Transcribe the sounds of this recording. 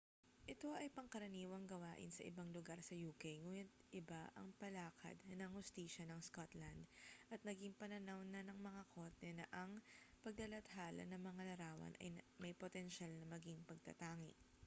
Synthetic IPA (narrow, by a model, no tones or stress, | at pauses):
ʔɪt̪o̞ʔɐjpɐŋkɐɾɐniːwɐŋɡɐwaːʔɪ̰nsɐʔɪbaŋlʊɡaɾsɐjuːkejŋuːjɐt̪̚ʔɪbaʔɐ̰ŋpɐlaːkʰɐ̰d̪nɐŋhʊst̪iːʃɐnɐŋskot̪lɐnd̪ʔɐt̪̚nɐɡiŋpɐnɐnawnɐnɐŋmɐŋakʰot̪ɛnɐʔɐŋpɐɡ̚lɐlɐt̪haːlɐ̰nɐŋmɐŋalɐɾaːwɐ̰nʔɐ̰jmɐjpot̪ɛnʃalnɐmɐɡiŋpɐɡ̚t̪ɐ̰t̪aːŋɪ̰ʔ